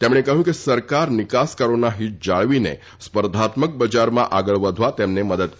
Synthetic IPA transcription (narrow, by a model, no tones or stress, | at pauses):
t̪emɳ̃ekəɦjũːkisəɾkaɾnikaskəɾonaɦiːd͡ʑaɭʋinḛ | spəɾd̪ʱat̪mək̚bəd͡ʑaɾma̰ʔaɡəɭʋəd̪ʱʋat̪emneməd̪ət̪k